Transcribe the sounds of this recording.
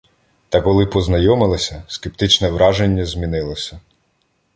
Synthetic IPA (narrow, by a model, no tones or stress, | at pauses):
t̪ɐkɔlˠɪpɔznɐjɔmɪlˠɐsʲɐskep̚t̪ɪt͡ʃnɛʋɾɑʒenʲːɐzʲmʲinɪlˠɔsʲɐ